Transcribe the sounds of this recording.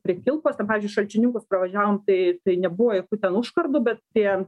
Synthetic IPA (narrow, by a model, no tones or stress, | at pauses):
pʲɾʲɪkʲɪlˠpoːsʲt̪ʲɛnpɑːʋʲɪzʲd͡ʒʲʊɪʃɐlʲt͡ʃʲɪnʲɪŋkʊspɾɐʋɐʒʲæːʋoːmt̪ɐɪt̪ɐɪnʲɛbuʋojɛkuːt̪ʲɛnʊʃkɐrd̪ʊːbʲɛt̪̚t̪ʲiɛ